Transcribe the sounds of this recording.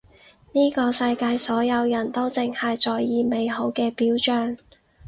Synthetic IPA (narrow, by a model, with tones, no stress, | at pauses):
niː˥kɔː˧sɐ˧jkaː˧jsɔː˨˥jɐ˨˧wjɐ˨˩nt̪o˥wt͡sɪ˧ŋhɐ˨jt͡sɔː˨jːiː˨˧me˨˧jho˨˥wkɛː˧piː˨˥wt͡ʃœː˧ŋ